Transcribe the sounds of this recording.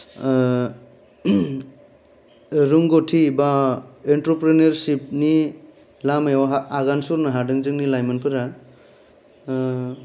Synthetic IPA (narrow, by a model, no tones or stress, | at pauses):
ɾuŋɡotʰibaentɾopɾineɾsip̚ni | lamejwaɦaːɡansuɾnaɦadɯŋzɯŋnilajmɯnpʰɯɾa